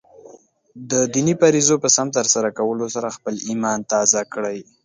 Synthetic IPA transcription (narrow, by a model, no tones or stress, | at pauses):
d̪əd̪inipaɾizopəsamt̪əɾsaɾakawəlosaɾaxpəlimɑnt̪ɑzakɽaj